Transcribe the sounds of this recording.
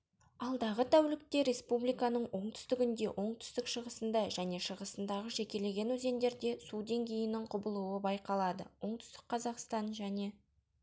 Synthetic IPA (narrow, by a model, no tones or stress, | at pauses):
ɑlˠd̪ɑʁət̪ʰæwlɪk̚t̪e̞ɾe̞spublijkɑnəɴwo̞ɴt̪ʰʏ̥st̪ɪɡʲɪnd̪e̞ʔo̞ɴt̪ʰʏ̥st̪ɪkʃəʁəsənd̪ɑʒæne̞ʃəʁəsənd̪ɑʁəʒe̞kʲe̞le̞ɡʲe̞nwɵze̞nd̪e̞ɾd̪e̞sud̪e̞ŋɡʲe̞jɪnɪŋqʰʊbəlˠuwəbɑjqɑlˠɑd̪ə̰wʔo̞ɴt̪ʰʏ̥st̪ɪ̥k̚qʰːɑzɑqst̪ɑnʒæne̞